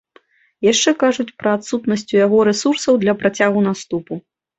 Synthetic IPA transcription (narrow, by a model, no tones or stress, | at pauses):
jaʂt͡ʂɛkaʐut͡sʲpɾɐat̪sut̪nɐsʲt͡sʲujaɣɔɾɛsursɐwd̪lʲɐpɾat͡sʲaɣunast̪upu